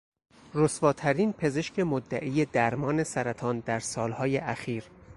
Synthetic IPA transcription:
ɾosvɒːt̪ʰæɾiːnpʰe̞ze̞ʃcʰe̞mod̪ːæʔiːje̞d̪æɾmɒːne̞sæɾæt̪ʰɒːnd̪æɾsɒːlhɒːjeʔæxiːɾ

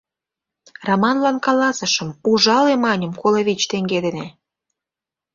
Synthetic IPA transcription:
romɑnlɑnkɑlɑsəʃəmuʒɑlemɑnʲəmkoleβʲit͡ɕt̪eŋɡed̪ene

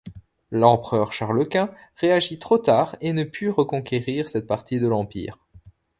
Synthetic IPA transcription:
lɑ̃pχœʁʃaʁləkʲɛ̃ʁeaʒit̪χot̪aʁenəpʰyʁəkɔ̃kʲeʁiʁsɛt̪̚paʁt̪id̪əlɑ̃pḭːʁ

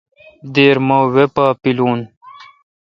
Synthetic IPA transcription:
d̪eːɾmowepapiluːn

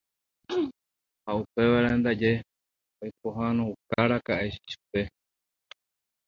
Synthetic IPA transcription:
haupe̞ʋaɾaend̪ad͡ʒe̞ | ojk̚oɦanõukaɾakaʔeʃiʃu̥pe̞

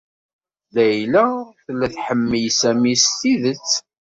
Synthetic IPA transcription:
ðæjlæθlːæθħəmːijsæmist̪iðət͡sː

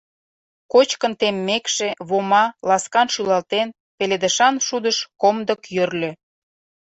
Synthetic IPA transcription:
kot͡ɕkənt̪emːekʃeβomɑlɑskɑnʃylɑlt̪en | peled̪ə̆ʃɑnʃud̪əʃkomd̪əkjørlʲø̆

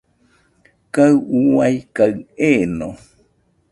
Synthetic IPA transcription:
kaɨuajkaɨenõ

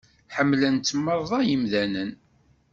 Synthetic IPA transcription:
ħəmːlənt͡s̪ːmːəɾˤðˤɑjəmðænən

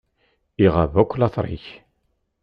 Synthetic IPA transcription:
iʁavækʷːlɑθˤɾˤḭç

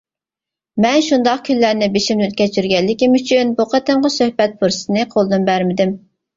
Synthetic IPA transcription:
mɛnʃund̪ɑqkʲʰynlæɾnɪbeʃimnɪyt̪̚kʲɛt͡ʃʰyɾɡʲɛlːɪkʲimyt͡ʃʰynbuqʰɑt̪ɨmʁɑsøhbɛt̪̚pʰuɾsɨnɨqʰolˠd̪ɨnbæɾmɪd̪ɪm

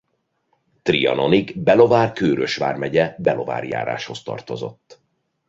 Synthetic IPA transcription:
t̪rijɒ̰no̞niɡbɛlo̞vaːrkøːɾøʃʋa̰ːrmɛɟɛbɛlo̞va̰ːrja̰ːɾa̰ːʃho̞st̪ɒ̰rt̪o̞zo̞̰t̪ː

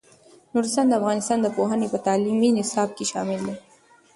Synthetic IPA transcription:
nuɾɪst̪ɑːnd̪əafɣɑnɪst̪ɑːnd̪əpoɦənepət̪ɑliminɪsɑb̚keʃɑ̰mɪld̪e

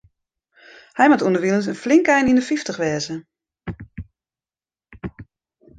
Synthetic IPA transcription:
hɛjmatundəʋilˠəntənflɪŋkɛjnindəfiftəxʋɛːzə

